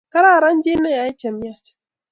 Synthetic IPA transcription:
ka˦ɾa˦˨ɾa˦nd͡ʒe˦na˦ja˨i˦t͡ʃa˨mja˦t͡ʃḁ˨

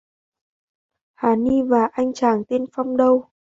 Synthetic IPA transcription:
haː˨˩ni˧vaː˨˩ʔa˧jŋ̟t͡ɕaː˧˩ŋt̪e˧nfa˧wŋ͡mɗə˧w

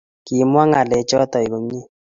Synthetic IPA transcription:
ki˨mwa˦ŋa˨lɛ˨t͡ʃɔ˦tɔ˨i˨ko˨mɲi˦

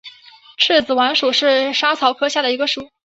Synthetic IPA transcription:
ʈ͡ʂʰɻ̩˥˩t͡sɹ̩˨˩wa˧˥nʂu˨˩ʂɻ̩˥˩ʂa˥t͡sʰɑ˧˥ʊkʰɤ˥ɕja˥˩d̪ə˩i˧˥ɡə˧ʂu˨˩˦

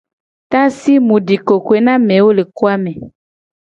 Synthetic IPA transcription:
t̪ã˦si˦mũ˨ɖi˨ko˨kwe˨nã˦mɛ̃˨wo˦le˨ko˦a˦mɛ̃˨

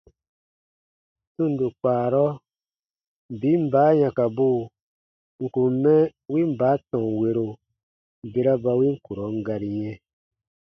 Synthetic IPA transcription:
sũ˦˨n˨du˨k͡paː˨ɾɔ˦ | bi˨˦m̩˦baː˨˦jã˨ka˨bo˦˨ | ŋ̩˨kũ˨m˨˦mɛ̃˦wi˦m̩˦baː˨˦tɔ̃˨ŋ˨we˧ɾo˨ | be˧ɾa˦ba˧wi˦ŋ̩˦ku˨ɾɔ˨˦ŋ˦ɡa˧ɾi˨jɛ̃˦

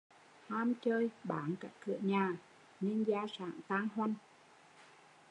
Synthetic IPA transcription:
haː˧mt͡ɕəː˧jɓaː˨˦nkaː˦˥kːɨ̰˧˩˨əɲaː˨˩ | ɲɨ˧ŋzaː˧sa̰ː˧˩ŋt̪aː˧ŋɦwa˧jŋ

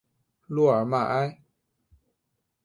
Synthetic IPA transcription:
lu˧˩a˨˩ma˨ʔa˦j

